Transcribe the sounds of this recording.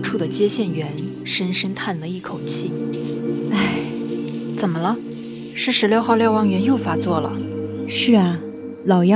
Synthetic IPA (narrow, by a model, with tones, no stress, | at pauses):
ʈ͡ʂʰu˥˩d̪ə˩t͡ɕjɛ˥ɕjɛ˥˩nɥɛ˧˥n | ʂə˥nʂə˥nt̪ʰa˥˩nlə˦i˥˩kʰo˨˩ʊt͡ɕʰi˥˩ | a˥˩ɪ | t͡sə˨˩nmə˦lə˧ | ʂɻ̩˥˩ʂɻ̩˧˥ljo˥˧ʊxɑ˥˧ʊljɑ˥˩ʊwɑ˧˥ŋɥɛ˧˥njo˥˩ʊfa˧˥t͡swɔ˥˩lə̰˩ʂɻ̩˥˩ɐ˩ | lɑ˨˩ʊjɑ˥